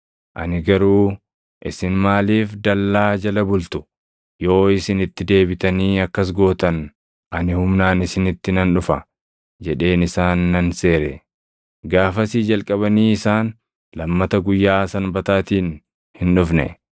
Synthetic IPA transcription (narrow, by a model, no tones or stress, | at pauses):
ʔɐ̰nɪɡɐɾuː | ʔɪsɪnmaːliːfd̪ɐlːaːd͡ʒɐlɐbʊlt̪ʊ̥ | jo̞ːɪsɪnɪt̪ːɪd̪e̞ːbɪt̪ɐniːɐkːɐs̬ɡo̞ːt̪ɐn | ʔɐnɪhʊmnaːnɪsɪnɪt̪ːɪnɐnᶑʊfɐ̰ | d͡ʒɛᶑe̞ːnɪsaːnːɐnse̞ːɾɛ | ɡaːfɐsiːd͡ʒɐlkʼɐβɐniːɪsaːn | lɐmːɐt̪ɐɡʊjːaːsɐnbɐt̪aːt̪iːn | hɪnᶑʊfnɛ̰